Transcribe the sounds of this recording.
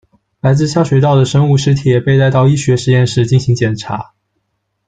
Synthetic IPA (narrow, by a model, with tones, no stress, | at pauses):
la˧˥ɪt͡sɹ̩˥˧ɕja˥˩ɕwe˧˩ɪt̪ɑ˥˩ʊd̪ə˩ʂə˥ŋu˥˧˩ʂɻ̩˧˥t̪ʰi˨˩jɛ˨˩pe˥˧ɪt̪a˥˧ɪt̪ɑ˥˧ʊi˥ɕɥɛ˧˥ʂɻ̩˧jɛ˥˧nʂɻ̩˥˧t͡ɕi˥˩nɕi˧˥ŋt͡ɕjɛ˨˩nʈ͡ʂʰa̰˧˥